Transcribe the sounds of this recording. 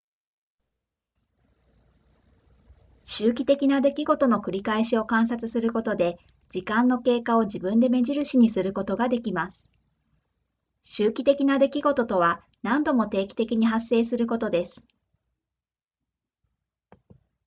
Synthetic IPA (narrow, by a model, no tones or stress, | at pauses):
ɕɨːkʲi̥t̪e̞kʲinad̪e̞kʲiɡo̞t̪o̞no̞kɯ̟ɾʲikaeɕio̞kãɰ̃s̬at͡sɨsɨɾɯ̟ko̞t̪o̞d̪e̞ | d͡ʑikãnːo̞ke̞ːkao̞ʑibɯ̟̃nd̪e̞me̞ʑiɾɯ̟ɕiɲ̟isɨɾɯ̟ko̞t̪o̞ɡad̪e̞kʲimasɨ̥ | ɕɨːkʲit̪e̞kʲinad̪e̞kʲiɡo̞t̪o̞t̪o̞β̞a | nãnd̪o̞mo̞t̪e̞ːkʲi̥t̪e̞kʲiɲ̟iɦasːe̞ːsɨɾɯ̟ko̞t̪o̞d̪e̞sɨ̥